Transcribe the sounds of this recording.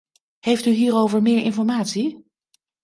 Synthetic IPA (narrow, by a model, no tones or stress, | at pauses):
hejftyɦiːɾowvəɹmɪːɹɪnfɔɹmaːtsi